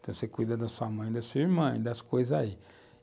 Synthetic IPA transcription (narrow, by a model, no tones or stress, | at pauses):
t̪ɐ̃w̃sekujd̪ɐd̪ɐsuɐmɐ̃j̃d̪ɐsuiɾmɐ̃ḭ̃d̪ɐskojzɐzai